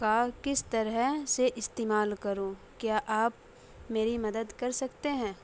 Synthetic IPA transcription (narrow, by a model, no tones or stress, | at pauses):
kakɪst̪ɐɾɛɦseʔɪst̪eːmaːlkɐɾõː | kjaːʔaːp | meːɾimɐd̪əd̪kɐɾsɐkt̪eɦɛ̃ː